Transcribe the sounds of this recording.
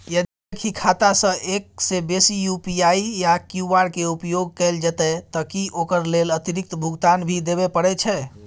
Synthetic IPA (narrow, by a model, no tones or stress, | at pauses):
jəd̪ | ekʰikʰat̪asə̃ʔek̚sebesijupiaijakjuaɾkeupjoɡ̚kəld͡ʒət̪ɛt̪əkiʔokəɾlelət̪iɾik̚t̪bʱuɡt̪anbʱid̪eβepəɽɛt͡ʃʰɛ